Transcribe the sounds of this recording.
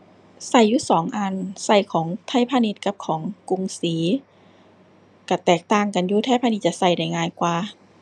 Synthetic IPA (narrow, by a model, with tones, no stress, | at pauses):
sa˧˩jːuː˧sɔː˩˦ŋʔaː˧nsa˧˩jkʰɔː˨˩˦ŋt̪ʰa˧˩jpʰaː˧˨ni˧˥t̪̚ka˧˥p̚kʰɔː˩˦ŋku˧˨ŋsiː˨˦ | ka˧˩t̪ɛː˨˩k̚t̪aː˧˩ŋka˨njuː˧t̪ʰaː˧˥˨pʰaː˧ni˧t̪̚t͡ɕa˧˨sa˧˩jda˧˩jŋaː˧˨jkwaː˧